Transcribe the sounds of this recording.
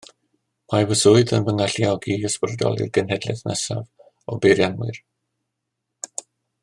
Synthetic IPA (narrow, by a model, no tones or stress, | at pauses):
majvəsʊɨdənvəŋaɬiɔɡiəsprdɔ̰lˠɪ̰rɡənɦɛdlɛ̰θnə̰sa̰v | ɔbejɾjanmʊ̰r